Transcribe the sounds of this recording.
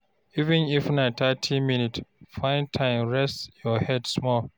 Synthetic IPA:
ivɛ̃nifnãtʰatʰiminitfãɪ̃ntʰãɪ̃mɹɛstjɔhɛdsmɔl

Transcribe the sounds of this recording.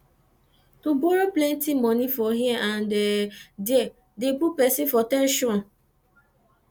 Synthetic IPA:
tuboɾoplɛntimɔnifɔɦiɛʔãndediɛ | depupɛsĩfɔtɛ̃nʃɔ̃n

